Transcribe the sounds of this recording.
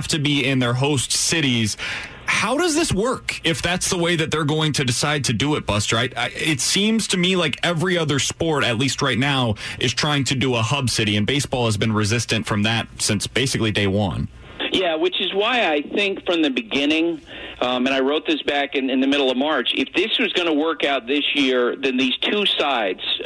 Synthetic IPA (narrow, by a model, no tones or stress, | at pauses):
ftɨbiɪ̃nðə˞ɦoʊstsɪɾiz̥ | haʊɾʌzðɪswɜ˞kɪfðætsðəweɪðɨt̪̚ðə˞ɡoʊɪ̃ŋtʰɨdɨsaɪd̚tʰɨdɨɪt̚b̥ʌstɹaɪtaɪɪtsĩmz̥tʰɨmilaɪkɛvɹiʌðə˞spɔɹɾɨtˡlist̚ɹaɪtⁿnaʊʔɨz̥tʰɹ̥aɪɪ̃ŋtʰɨdɨəhʌbsɪɾiɨ̃nbeɪsb̥ɔlˠəzbɨ̃nɹɨzɪstɨ̃ntfɹʌ̃mðɨt̚sɪ̃nsb̥eɪsɨklideɪwʌ̰̃n | jæwɨt͡ʃɨzwaɪaɪθɪ̃ŋkfɹʌ̃mðɨbɨɡɪ̃nɪ̃ŋ | ɨ̃ñaɪɹoʊt̪̚ðɪsb̥ækɨ̃nɨ̃nðɨmɪɾl̩ˠʌvmɑɹt͡ʃɨ̰fðɪswʌzɡʌnəwɜ˞kaʊt̪̚ðɪsjɪɹðɨ̃nðiz̥tʰusaɪdz̥